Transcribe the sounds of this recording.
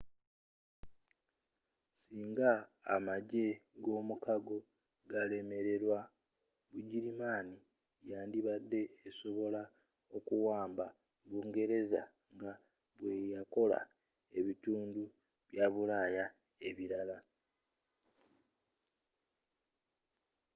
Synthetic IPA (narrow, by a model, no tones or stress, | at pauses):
siːŋɡa̰ːmaɟe̞ɡo̞ːmukaɡo̞ | ɡale̞me̞ɾe̞ɾwa | βuɟiɾimaːni | jaːndiβad̪ːe̞ːso̞βo̞la | o̞kuwaːmba | βuːŋɡe̞ɾe̞za̰ | ŋɡa | βwe̞jako̞la̰ | e̞βituːndu | βjaβulaja | e̞βiɾala